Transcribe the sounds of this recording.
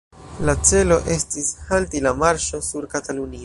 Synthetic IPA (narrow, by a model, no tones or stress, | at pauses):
lat͡se̞lo̞ʔe̞stishaltilamaɾʃo̞suɾkatalunio